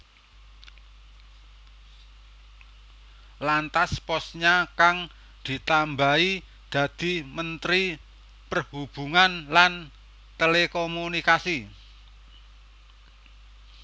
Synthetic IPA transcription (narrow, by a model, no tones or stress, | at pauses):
lant̪aspɔsɲakaŋ | d̪̥i̤t̪ambai | d̪̥a̤d̪̥i̤mənt̪ɾi | pərhub̥ṳŋanlan | t̪elekomunikasi